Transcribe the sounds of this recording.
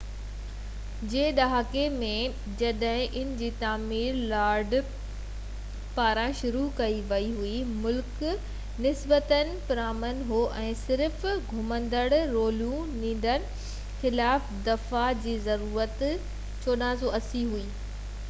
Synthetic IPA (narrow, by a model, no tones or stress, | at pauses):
d͡ʑeːɗaɦakemẽ | d͡ʑɐɗɦɪ̃ʔɪnɪ̆d͡ʑiːt̪aːmiːɾlaːɾɖ | paːɾãʃʊɾukɐiʋɐiɦuimʊlk | nɪsbət̪ənɪ̆pɪɾaːmənɦoʔɛ̃ːsɪɾfɡʱʊmə̃nd̪əɽɾoːlũ | nĩːn̆d̪ənɪ̆ | xɪlaːfd̪ɐfad͡ʑiːzɐɾuːɾət̪ | t͡ɕoːɗãːzoɐsiɦuiː